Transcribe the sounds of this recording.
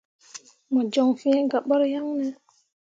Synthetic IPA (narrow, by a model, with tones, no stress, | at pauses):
mɔ˨d͡ʒo˨ŋfi˦e˦ɡa˨ɓɔ˦ɾja˦ŋnɛ˨